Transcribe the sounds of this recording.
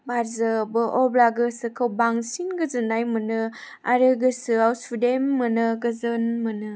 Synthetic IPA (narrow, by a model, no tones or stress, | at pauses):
baɾzɯbɯʔɔblaɡɯsɯkʰawbaŋsinɡɯzɯnajmɯnɯ | a̰ɾɯɡɯsɯawsudemːɯnɯɡɯzɯnmɯnɯ